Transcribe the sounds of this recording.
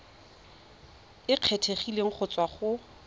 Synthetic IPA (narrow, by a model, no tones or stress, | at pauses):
ɪq͡χʰetʰeχileŋ̩χʰʊt͡sʼwaχʊ